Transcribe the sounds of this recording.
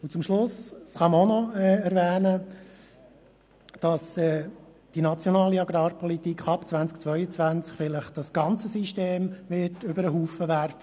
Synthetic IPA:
ʊt͡sʊmʃlʊssχɑməonɔɛɛɾvɛːnə | d̥ɑsɛː | d̥inɑt͡sjɔnɑːliɑɡɾɑːɾpɔlitiːkʰχɑpt͡svænt͡sk̚t͡sʋœʏət͡svænt͡skfɪləχd̥ɑsɡ̥ɑnt͡səsiʃteːmʋɪtʏbəɾəɦuːfəʋæɾf

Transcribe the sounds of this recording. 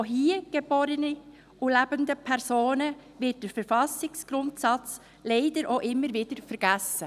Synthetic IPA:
oɦiːəɡ̥əb̥oːɾəni | ʔulæbəndəpʰɛɾsoːnəvɪt̚d̥əɾfəɾfɑsɪksɡ̥ɾʊntsɑt͡s | leɪdəɾʔoʔɪmːəɾvɪd̥əɾfəɾɡ̥æsə

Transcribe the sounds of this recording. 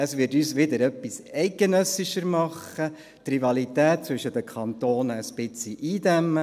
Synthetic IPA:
əsʋɪtyːsʋɪd̪əɾœpːisɛɪk̚ɡ̥enœsɪʃəɾmɑχːə | t̪rivɑlit̪æːt̚t͡sʋʏʃədəkʰɑnt̪oːnəəspɪt͡siʔiːd̪æmːə

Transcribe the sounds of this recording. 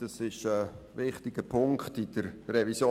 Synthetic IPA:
d̥ɑsɪʃə | vɪχtɪɡ̥əpʰʊŋkχtɪd̥əɾrɛvisjo

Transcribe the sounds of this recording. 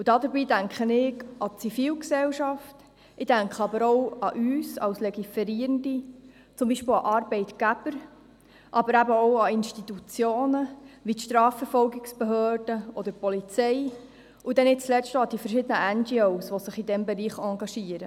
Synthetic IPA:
ud̥̪ɑd̪əɾbiːdæŋkχənɪɡɑt͡sifiːlksɛlʃɑft | ɪd̥æŋkχəɑbəɾɔʊɑ̰ʔyːsɑ̰wslɛɡifɛɾiːɾəndi | t͡sʊmbiːʃpɪwɑ̰ʔɑrbɛɪt̪ɡ̥æb̥əɾ | ʔɑbəɾæbəɔwɑinʃtit̪ut͡sjoːnəʋit̪ʃt̪ɾɑːfəɾfɔlɡɪksb̥ɛɦøːrd̥əɔd̥̪əpɔlit͡sɛɪ | ud̥̪ɛnɪt͡slɛʃtoɑd̥̪ifəɾʃɪd̪ənəænd͡ʒioʊsʋɔsɪχid̪ɛmbɛɾiːχɑŋɡɑʃiːəɾə

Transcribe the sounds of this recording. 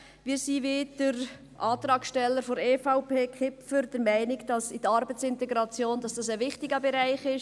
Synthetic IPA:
ʋiːɾsived̥əɾ | ʔɑːt̪ɾɑːkʃtɛlːəɾfɔɾeːfaʊpeːkʰχɪpfəɾd̥əɾmæɪnɪɡd̥ɑsɪdəɑɾbət͡sɪntɛɡɾɑt͡sjoːndɑsd̥ɑsəʋɪχtɪɡəbɛɾæɪχɪʃ

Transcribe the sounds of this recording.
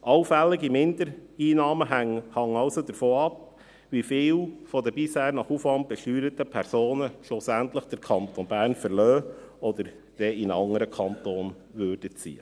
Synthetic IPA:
ʔɑʊfælːɪɡimɪnd̪əɾiːnɑːməɦæŋhɑŋɑʊsod̪əɾfoːɑp | ʋifɪːlfɔd̪əbɪshæːɾnɑχufʋɑnd̚b̥ɛʃtyːɾət̪əpʰɛɾsoːnəʃʊsænt̪ləχd̥əɾkʰɑnt̪onbæːɾnfəɾlœːɔd̪əɾ | d̥ɛɪnɑŋəɾəkʰɑnt̪oːn | ʋøɾd̥ət͡sḭːə

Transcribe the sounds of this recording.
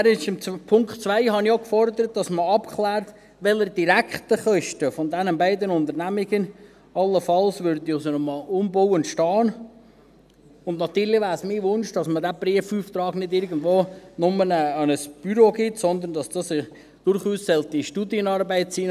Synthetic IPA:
ɾɪʃɪmpʰʊŋkt͡sʋæɪhɑnioʊkfɔrd̪əɾət̚d̥ɑsməɑpkʰlæːɾt̪ | ʋɛləɾdiɾækχtəχœʃtəfɔnd̪ɛnənbæɪdənʊnd̪əɾnæmiɡən | ɑlːəfɑlsʋʏɾd̪iosənɔmɑlʊmbɔwəntʃtɑːn | ʊndnɑt̪yːɾlɪʋæːɾsmiːʋʊnʃd̥ɑsmədæpɾiəfyːft̪ɾɑːɡ̥nɪdɪɾɡən̩dʋoːnʊmənɛːənəsb̥yɾoɡɪtsɔnd̪əɾndɑsd̥ɑsɪχ | d̥ʊrχuːsːɛltiʃtudiənɑɾbæɪt̚siː

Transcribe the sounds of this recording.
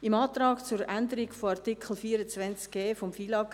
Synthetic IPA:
imɑːt̪rɑːɡt͡suɾænd̪əɾiɡfoɑrt̪ikʰl̩fiːəɾət͡svɛnt͡sk̚ɡ̥eːfɔmfiːlɑk

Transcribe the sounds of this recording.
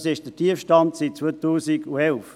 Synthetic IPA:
sɪʃd̥ətʰiəfʃtɑntsit̚t͡sʋotuːsiɡuɛlf

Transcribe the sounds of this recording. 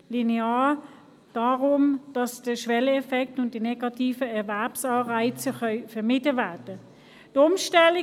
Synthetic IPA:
lineaː | d̥aːʁʊmd̥ɑsd̥əʃʋɛləɛfɛk̚tʊntd̥inɛɡɑtʰiːfəɛɐvɛɐpsɑːʁaɪt͡səχœʏfɛɐmɪdəvæɐd̥ə | d̥ʊmʃtɛli

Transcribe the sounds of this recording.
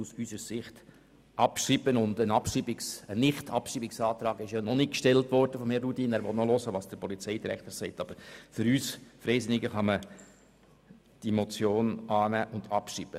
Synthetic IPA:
usysəɾsɪχt | ʔɑpʃibənʊndənɑpʃibɪksənɪχtʰɑpʃiːbɪksɑːt̪ɾɑːɡɪʃjɑnɔnɪkkʃtɛltʋɔrdəfɔmhɛrudiːnæːɾʋɔtnɔlɔsəʋɑːsd̥əɾpɔlit͡sɛɪd̥iɾɛkt̪əɾsɛɪtɑb̥əɾfʏɾyːsfɾɛɪsɪnɪɡəχɑmə | d̥imɔt͡sjoːnɑːnæːʔʊndɑpʃiːb̥ə

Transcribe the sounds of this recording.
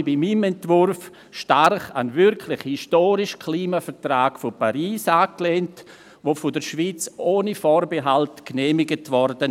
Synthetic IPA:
bimimɛntvʊɾf | ʃtarχa̰nvɪɾkʰlɪχhistoːɾɪʃkʰliːmafəɾtraːɡfopaɾiːsaːkleːnt | ʋofʊdəɾʃviːt͡soːnəfoːɾbeɦaltknɛːmɪɡətvɔɾd̥ən

